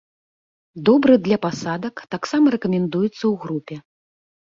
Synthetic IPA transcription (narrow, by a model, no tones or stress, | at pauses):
d̪ɔbɾɨd̪lʲɐpasad̪ɐkt̪aksamɐɾɛkɐmʲɛnd̪ujut̪sːɐwɣɾupʲɛ